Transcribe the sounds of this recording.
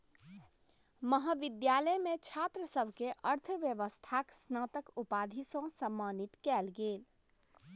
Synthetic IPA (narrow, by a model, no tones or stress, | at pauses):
məɦəʋid̪jaləmet͡ʃʰat̪ɾəsəbʱkeʔəɾt̪ʰəʋjəʋəst̪ʰaksnəːt̪əkupad̪ʱisə̃səmːanit̪kɛːlɡeːl